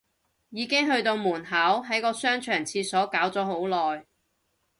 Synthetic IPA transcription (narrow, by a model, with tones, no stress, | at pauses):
jiː˨˧kɪ˥ŋɦɵ˧ɥt̪o˧wmuː˨˩nɦaː˨˥wɦɐ˨˥jkɔː˧sœː˥ŋt͡ʃʰœː˨˩ŋt͡sʰiː˧sɔː˨˥kaː˨˥wt͡sɔː˨˥ɦo˨˥wlɔː˨j